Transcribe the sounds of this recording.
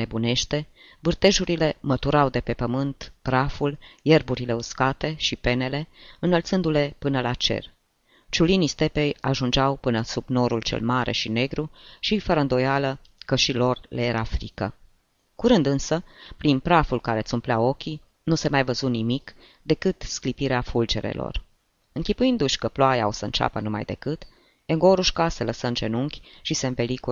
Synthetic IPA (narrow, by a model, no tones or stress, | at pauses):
ebune̞ʃt̪e̞ | vɨrt̪e̞ʒuɾile̞mət̪uɾawd̪e̞pe̞pəmɨnt̪pɾafulje̞rbuɾile̞uskat̪e̞ʃipe̞ne̞le̞ɨnəlt̪sɨnd̪ule̞pɨnəlat͡ʃe̞̰r | t͡ʃulinist̪e̞pejaʒund͡ʒawpɨnəsubno̞ɾult͡ʃe̞̰lmaɾʔe̞̰ʃine̞ɡɾuʃifəɾəɨnd̪o̞jalə | kəʃilo̞rlejeɾafɾḭkə̰ | kuɾɨnd̪ɨnsəpɾinpɾafulkaɾe̞t̪sumpleao̞kʲi | nuse̞majvəzunimik | d̪e̞kɨt̪sklipiɾeafuld͡ʒe̞̰ɾḛlo̰r | ɨŋkʲipujind̪uʃʲkəploajaosəɨ̰nt͡ʃa̰pənuma̰jd̪e̞̰kɨt̪ | eŋɡo̞ɾuʃkaseləsənt͡ʃe̞nuŋkʲʃise̞ɨnve̞liku